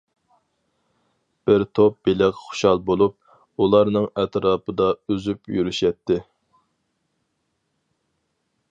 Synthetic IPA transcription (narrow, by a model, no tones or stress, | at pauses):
b̥ɪɾt̪ʰop̚b̥elɪqχʊ̥ʃɑlˠbolˠup̚ | ulˠɑɾnɨŋɛt̪ɾɑːpʰɨd̪ɑøzypjyɾyʃɛt̪ʰːɪ